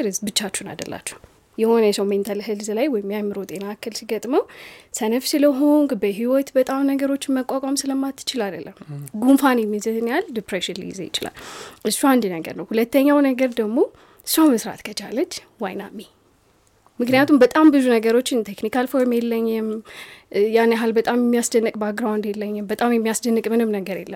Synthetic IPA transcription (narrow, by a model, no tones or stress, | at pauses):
ɾɨzbɨt͡ʃːat͡ʃːuna̰d̪ə̰lːa̰t͡ʃːɛ̥w | jɛho̞nəjɛsəwment̪ʰəlɦɨlzlajwɔjɪmːjamːɨɾo̞t̪ʼe̞nakʰːɨlsiɡət̪ʼməwsənəfsɨləɦo̞ŋɡbəɦiwɔt̪bət̪ʼamnəɡəɾo̞t͡ʃːɪnməkʼakʼamsɨləmːat̪ʰːɨ̥t͡ʃɪlad̪əlːəmɡunfanjɛmːizəzɨnjald̪ipɾeʃinlḭjɪ̰zḛjɪ̰t͡ʃɪla̰lʔɨsːuand̪ɨnəɡə̰ɾnəwhulət̪ːəɲːawnəɡəɾd̪əɡmo̞ | ɨsːuaməsɾa̰t̪kʰət͡ʃʰalət͡ʃ | wajna̰mːe | mɨknɨjat̪ʰumbət̪ʼambɨzunəɡəɾo̞t͡ʃːɪnt̪ʰeknikalfoɾmjelːəɲːɪm | janːaɦalbət̪ʼamjɛmːijasd̪ənːɨkʼbaɡɾawnd̪jelːəɲːɪmbət̪ʼamjɛmːijasd̪ənːɨkʼmɨnɨmnəɡəɾje̞̰lːə̰m